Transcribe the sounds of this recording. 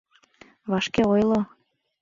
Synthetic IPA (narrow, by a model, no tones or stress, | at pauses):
βɑʃkeojlˠo